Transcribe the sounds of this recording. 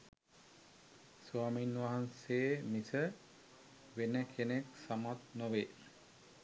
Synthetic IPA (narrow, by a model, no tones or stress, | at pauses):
suaminwaɦansemisʰə | benekʰeneksamat̪nobe